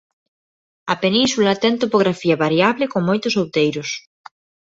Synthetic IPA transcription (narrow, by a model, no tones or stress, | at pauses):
ɐpenĩnsulɐt̪ɛŋt̪opoɣɾafiɐβaɾjaβlɪkoŋmojt̪ʊsowt̪ejɾʊs